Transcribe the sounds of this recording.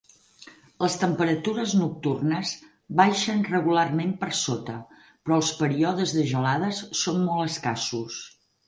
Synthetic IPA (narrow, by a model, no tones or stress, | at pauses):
ləst̪əmpəɾət̪uɾəznuk̚t̪urnəz | βajʃənrəɣularmempəɾsot̪ə | pɾɔəlˠspəɾiɔðəzðəʒəlaðəsːonmɔlˠəskasus